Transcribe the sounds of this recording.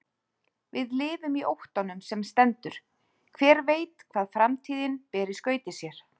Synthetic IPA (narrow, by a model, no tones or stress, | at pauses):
vɪðlɪːðʏmiʔowht̪ɔnʏmsɛmst̪ɛnt̪ʏɾ̥ | kʰvɛːɾveːjt̪kʰvaːðfɾamt̪ʰiːðɪnpɛːɾɪskœːɥt̪ɪsjɛɾ̥